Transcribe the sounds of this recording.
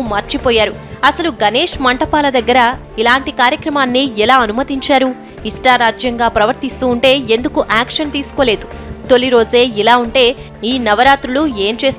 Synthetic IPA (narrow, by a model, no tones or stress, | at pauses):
maɾt͡ʃipoːjaːɾuɐsɐluɡɐneːʂmɐɳʈɐpaːlɐd̪ɐɡːɐɾɐ | ilaːɳʈikaːɾjɐkɾɐmaːnːiɛlaːɐnumɐt̪iɲt͡ʃaːɾu | iʂʈaːɾaːd͡ʒjɐŋɡaːpɾɐʋɐɾt̪ist̪uːɳʈe̞ːend̪ukuʔaːkʂɐnt̪iːsu̥ko̞ːle̞ːd̪ut̪o̞liɾo̞ːd͡ʒe̞ːilaːuɳʈe̞ː | iːnɐʋɐɾaːt̪ɾulue̞ːmt͡ʃe̞ːst̪